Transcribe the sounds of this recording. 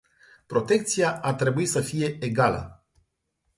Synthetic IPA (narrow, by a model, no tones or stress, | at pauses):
pɾo̞t̪e̞k̚t̪sijaat̪ɾe̞buisəfije̞eɡalə̰